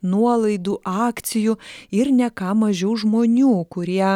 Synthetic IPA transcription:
nuɔlˠɐɪd̪uːʔɑːkt̪sʲɪjʊɪɾnʲɛkɑːmɐʒʲɛʊʒmoːnʲuːkʊɾʲiɛ

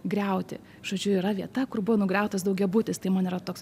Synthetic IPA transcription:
ɡɾʲɛʊt̪ʲɪ̰ | ʒ̥oːd͡ʒʲʊɪɾɐʋʲiɛt̪ɐkʊrbʊʋɔnʊɡʲɛʊt̪ɐsd̪ɐʊɡʲɛbut̪ʲɪst̪ɐɪmɐnɪɾɐt̪oːks

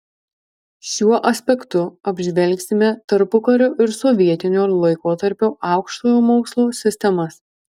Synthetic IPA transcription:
ʃʲuɔʔɐsʲpʲɛkt̪ʊɐbʲʒʲʋʲɛlʲˑksʲɪmʲɛt̪ɐɾpʊkɐɾʲoːʔɪɾsɔʋʲiɛt̪ʲɪnʲoːlˠɐɪkoːt̪ɐɾʲpʲoːʔɑˑʊkʃt̪oːjoːmoʊkslˠoːsʲɪsʲt̪ʲɛmɐs

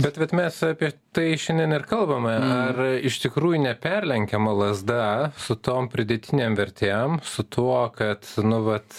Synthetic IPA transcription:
bʲɛt̪ʋʲɛt̪mʲɛsɑːpʲiɛt̪ɐɪʃʲɛnʲdʲɛnɪrkɐlˠbɐmɐɐrɪʃt̪ʲɪkɾuːjʊnʲɛpʲɛrʲlʲɛŋʲkʲɛmɐlˠɐzd̪ɐsʊt̪oːmpʲɾʲɪd̪ʲɛt̪ʲɪnʲeːmʋʲɛɾʲt̪ʲemsʊt̪ʰuɔkɐt̪nʊʋɐt̪

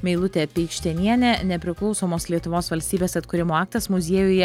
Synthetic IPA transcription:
mʲɛɪlˠʊt̪ʲɛpʲɛɪʃʲt̪ʲɛnʲiɛnʲɛnʲɛpʲɾʲɪklˠɒʊsoːmoːslʲiɛt̪ʊʋoːsʋɐlʲsʲt̪ʲiːbʲeːsɐt̪kʊɾʲɪmoːɑːk̚t̪ɐsmʊzʲiɛjʊjɛ

